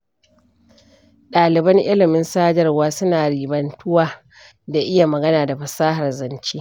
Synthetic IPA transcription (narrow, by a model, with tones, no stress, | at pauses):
ɗaː˨lɪ˨bɐ˦ŋʔɪ˦lɪ˨mɪ˦nsaː˦d͡ʒɐ˦rwaː˦sʊ˦naː˨ɽiː˨bɐ˨ntʰʊ˦waː˨ | da˨ʔɪ˦ja˨mɐ˨ɡɐ˦naː˨da˨ɸɐ˨saː˦ɦa˨rzɐ˨nt͡ʃiː˦